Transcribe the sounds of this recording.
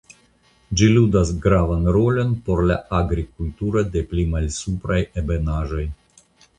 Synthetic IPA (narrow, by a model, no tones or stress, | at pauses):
d͡ʒiludas̬ɡɾavanɾo̞lo̞npo̞ɾlaaɡɾik̚ultuɾode̞plimalsupɾajebenaʒo̞j